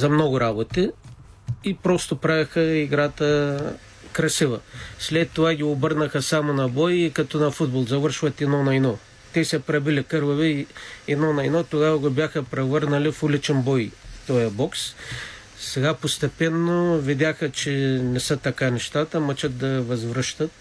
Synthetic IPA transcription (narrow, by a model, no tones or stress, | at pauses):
zɐmnɔɡʊɾabot̪i | ipɾɔst̪opɾavʲɐxəiɡɾat̪ə | kɾɐsivəslɛt̪ːovaɡʲiobɤɾnəxəsamonɐbɔjikɐt̪ɔnɐfud̪̚bolˠzɐvəɾʃvɐt̪ɛd̪nɔnɐjnɔ | t̪ɛsɛpɾɐbilʲikɤɾvɐvɛɛd̪nɔnɐjnɔt̪oɡavɐɡobʲjaxəpɾɛvəɾnɐlifulit͡ʃɛnbɔjt̪ɔjɐbɔks | sɛɡapost̪ɛpɛnːovid̪ʲaxət͡ʃɛnɛsət̪ɐkanɛʃt̪at̪əmɐt͡ʃət̪̚d̪ɐvɐzvɾəʃt̪ət̪̚